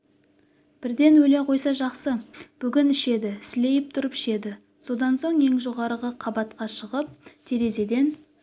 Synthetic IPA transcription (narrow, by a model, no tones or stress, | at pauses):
b̥ɪɾd̪e̞nwɵleqʰo̞jsɑʒɑqsəb̥ʏɡʲɪnɪʃe̞d̪ɪsɪle̞jɪp̚t̪ʰʊɾəpɪ̥ʃe̞d̪ɪ | so̞d̪ɑnso̞ɴe̞ŋʒo̞ʁɑɾəʁəqʰɑbɑt̪qɑʃəʁəp̚t̪ʰeɾe̞ze̞d̪e̞n